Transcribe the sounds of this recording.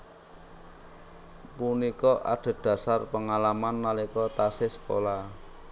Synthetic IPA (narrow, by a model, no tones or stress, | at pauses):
punikɔʔa̰ɖ̥ə̤d̥a̤sarpəŋalamanːalikɔt̪asɪsə̥ko̰la